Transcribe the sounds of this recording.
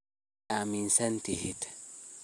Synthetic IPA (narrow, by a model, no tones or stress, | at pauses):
aminsantihitḁ